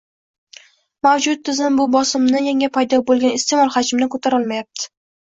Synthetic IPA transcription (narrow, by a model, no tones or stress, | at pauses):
mawd͡ʒʊt̪ʰːɪzɪmbʊbɒsɪmnɪjaŋapʰajd̪ɒbolˠɡʲanɪst̪ʰe̞mɒlˠhad͡ʒɪmnɪkʰot̪ʰaɾɒlˠmajap̚t̪ʰɪ̥